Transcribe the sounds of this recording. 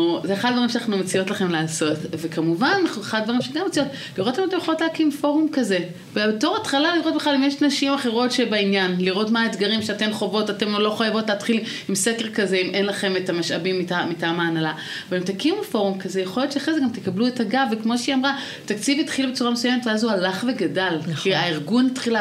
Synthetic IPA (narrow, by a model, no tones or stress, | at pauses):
zeeχad̪vaʁimʃenaχnumet͡sijo̞t̪laχe̞mlaːso̞tve̞kamuvannaχnueχaddvaʁimʃeɡamːet͡sijo̞t | liʁotamot̪emjeχolotlaːkimfo̞ʁumkaze̞ | vebeto̞ʁatχalaliʁot̚beχlalimjeʃnaʃimaχeʁo̞tʃebainjanliʁo̞tmaːet̪ɡaʁimʃeate̞mχo̞vo̞tate̞mlo̞χajavo̞tlæːtχil | imsekʁkazeimʔe̞nlaχe̞metamaʃabimːitamitaːmaːnala | vaemt̪akimufo̞ʁumkazejeχoljo̞t̪ʃeaχʁezeɡamt̪ekabluetaɡavekmo̞ʃeiamʁa | t̪akt͡sivit̪χilbe̞t͡suʁamesujemetveazualaχve̞ɡadalkiaiʁɡunitχila